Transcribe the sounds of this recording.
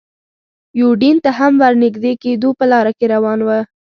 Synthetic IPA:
juɖint̪aɦamwaɾnɪɡd̪eked̪opəlɑɾakeɾawɑnwə

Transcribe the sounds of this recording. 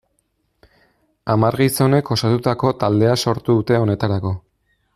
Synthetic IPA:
amaɾɣiso̞ne̞ko̞sat̪ut̪ako̞t̪ald̪e̞aso̞ɾt̪uðut̪e̞o̞ne̞t̪aɾako̞

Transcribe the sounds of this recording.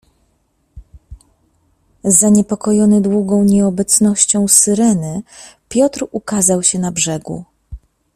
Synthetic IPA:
zːaɲɛpɔkɔjɔnɘd̪wuɡɔ̃w̃ɲɛɔbɛt̪snɔɕt͡ɕɔ̃w̃sɘɾɛnɘpʲjɔt̪ɾukazawɕɛnabʐɛɡṵ

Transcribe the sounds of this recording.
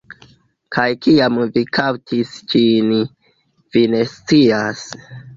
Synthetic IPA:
kʰajkiamvikʰawtʰisd͡ʒin | vine̞st͡sias

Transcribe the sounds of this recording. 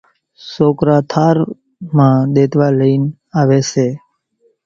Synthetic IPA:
soːkɾaːt̪ʰaːɾ | mãːɗ̪eːt̪ʋaːləiːn | aːʋeːseː

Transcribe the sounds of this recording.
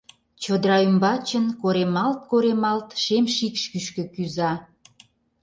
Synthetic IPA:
t͡ɕəd̪ɾɑymbɑt͡ɕə̆nkoɾemɑlt̪̚koɾemɑlt̪ʃemʃikʃkyʃkø̆kyzɑ

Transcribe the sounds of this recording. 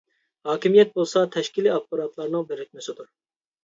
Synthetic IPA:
hɑːkʲʰimijɛt̪̚bolˠsɑt̪ʰɛʃkʲʰiliɑfpɑɾɑt̪ʰlˠɑɾnɨŋbeɾɪk̪ʲmɪsɪd̪uɾ

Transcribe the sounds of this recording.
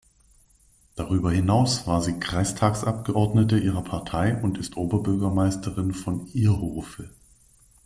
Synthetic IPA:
d̥aʁyːbɐhɪnaʊsv̥aːɐziːkʁ̥aɪstʰaːksʔap̚ɡ̥əʔɔɐdnətəʔiːʁ̞ɐpʰaɐtʰaɪʔʊntɪstʔoːbɐbʏɐɡɐmaɪstəʁɪnfɔnʔiːɐhoːfə

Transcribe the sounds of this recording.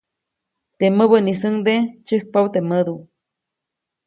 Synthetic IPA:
t̪eməβənis̬əŋd̪et͡ʃəh̚pawt̪eməd̪u

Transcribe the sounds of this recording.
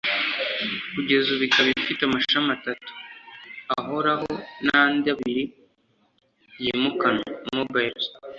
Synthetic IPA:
kuɟe̞zuβikaβifitamaʃamatatu̥ | aɦo̞ɾaɦonandaβiɾi | jimukanomubeɾs

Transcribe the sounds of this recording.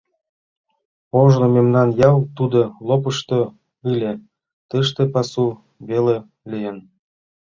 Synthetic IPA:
oʒnomemnɑnjɑwt̪ud̪olop̬əʃt̪o | ɯlʲe | t̪əʃt̪epɑsu | βele | lʲijən

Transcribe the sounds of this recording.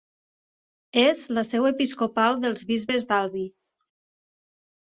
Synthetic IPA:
ezləsɛwepiskopalˠd̪əlˠzβizβezd̪alˠβi

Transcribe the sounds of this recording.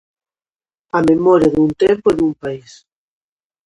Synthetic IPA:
ɐmemɔɾjɐðunt̪empoɛðumpais

